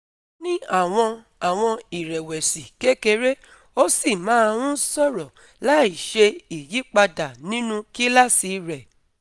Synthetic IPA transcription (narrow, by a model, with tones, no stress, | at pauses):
nĩ˦a˦˨w̃ɔ̃˧ | a˨w̃ɔ̃˧i˨ɾɛ˨wɛ˨si˨ke˦ke˧ɾe˦ | o˦si˦˨mãː˨˦˧ɾ̃ũ˦sɔ˦˨ɾɔ˨ | la˦i˨ʃe˧i˨ji˨˦k͡pa˧da˨nĩ˦nũ˧ki˦la˦si˧ɾɛ˨